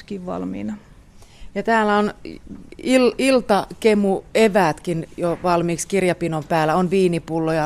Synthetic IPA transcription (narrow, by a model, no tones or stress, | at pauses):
kiːʋʋɑ̰lmḭːnɑ | jɑt̪æːlːæon | ililt̪ɑkemueʋæːt̪kinjoʋɑlmiːkskirjɑpinompæːlːæonʋiːnipulːojɑ